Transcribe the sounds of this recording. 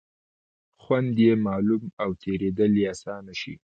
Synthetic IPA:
xwand̪jemɑlumawt̪ʰeɾed̪əljeasɑnaʃḭ

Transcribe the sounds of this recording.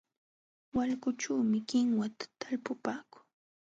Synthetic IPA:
walkʊt͡ʃaːmɪkɪŋwat̪ḁt̪alpʊpaːkʊ̥ŋ

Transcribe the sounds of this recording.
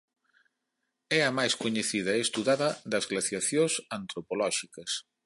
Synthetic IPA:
ɛɐmajskoɲeθiðɐeest̪uðaðɐðɐzɣlaθjaθjosant̪ɾopolɔʃikɐs

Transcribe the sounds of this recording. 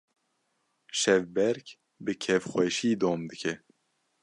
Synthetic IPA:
ʃɛvbɛɾk | bɨkʰɛvxwɛʃiːd̪oːmd̪ɨkʰɛ

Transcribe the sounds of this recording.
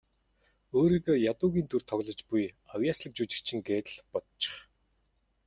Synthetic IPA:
oːɾiːɣoːjat̪ʊːɣʲiːnt̪urt̪ʰɔɣɮɞ̆t͡ɕpujawjaːsɮə̆k̚t͡ɕuːt͡ɕɪ̥̆kt͡ɕʰɪ̆ŋɡeːt̪̆ɮpɔt̪t͡ɕɪ̥̆χ

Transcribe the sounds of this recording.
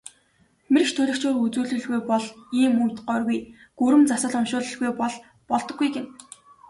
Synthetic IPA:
merkʃt̪ʰɵɮɵ̆kt͡ɕoːrut͡suːɮɘ̆ɮɣujpɔɮiːmujt̪ɢœːrɣuj | ɡ̥uɾɘ̆mt͡sasə̆ɮʊmʃʊːɮə̆ɮɣujpɔɮ | pɔɮt̪ɞ̆ɡːujɡen

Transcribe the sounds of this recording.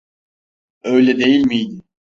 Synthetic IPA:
øjlʲɛd̪e̞jilʲmijd̪i

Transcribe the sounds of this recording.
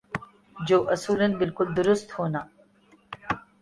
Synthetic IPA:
d͡ʒoːʔɐsuːlɐnbɪlkʊld̪ʊɾʊst̪hona

